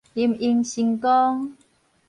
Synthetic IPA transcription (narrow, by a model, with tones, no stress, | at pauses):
t̪i˧mi˧ŋɕi˧ŋkɔ˦ŋ